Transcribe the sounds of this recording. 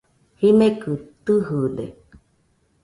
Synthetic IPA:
himẽkɨt̪ɨɦɨd̪ḛ

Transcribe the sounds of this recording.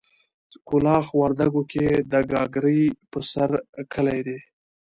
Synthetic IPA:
kʊlɑxwaɾd̪aɡoked̪əɡɑɡɾəjpəsaɾkʰəlajd̪e

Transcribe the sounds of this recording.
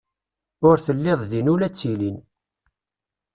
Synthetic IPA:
ʊɾθəlːɪðˤðinʊlæt͡sːilin

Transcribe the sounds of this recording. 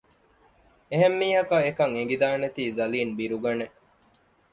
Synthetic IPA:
eɦemːiːɦɐkɐekɐŋeŋɡid̪aːnet̪iːzɐliːnbiɾuɡɐne

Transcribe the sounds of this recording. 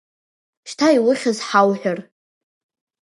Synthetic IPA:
ʃtʰaiwʊχʲazħawħʷᶣar

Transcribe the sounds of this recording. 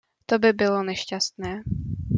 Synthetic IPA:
t̪obɪbɪlo̞nɛʃcast̪nɛː

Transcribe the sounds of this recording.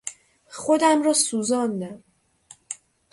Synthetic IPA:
xod̪æmɾɒːsuːzɒːnd̪æm

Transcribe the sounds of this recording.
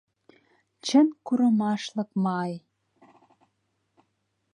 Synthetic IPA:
t͡ɕə̆nkuɾɤ̆mɑʃlɤ̆kmɑj

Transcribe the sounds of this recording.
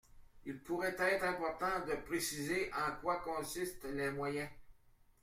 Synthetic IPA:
ilpuʁɛt̪ɛːt̪χɛ̃pɔʁt̪ɑ̃d̪əpʁesizeʔɑ̃kwakɔ̃sist̪lɛmwajɛ̃

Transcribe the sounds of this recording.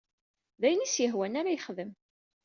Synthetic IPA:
ðæjənisjəɦwænaɾajəχðəm

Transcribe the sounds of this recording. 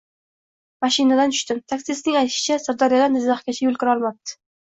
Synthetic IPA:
maʃɪnad̪ant̪ʰʊ̥ʃt̪ɪmt̪ʰaksiɪsnɪŋajt̪ʰɪ̥ʃɪ̥t͡ʃʰasaɾd̪ɒɾijad̪anɪzzaχkʲat͡ʃʰajolkʰʲɪɾɒlˠmap̚t̪ʰɪ̥

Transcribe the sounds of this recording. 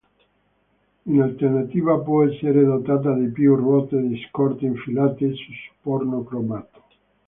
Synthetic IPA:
inalt̪ernat̪iːvapwɔɛsːeɾed̪ot̪aːt̪̬ad̪epjurɔt̪ed̪iskɔrt̪iɱfilaːt̪esusu̥pɔrnokɾobat̪o̥

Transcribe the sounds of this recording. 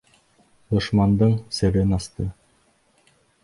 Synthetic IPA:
d̪ŏʃmɑnd̪ɤɴsɘ̆ɾɘnɑst̪ɤ

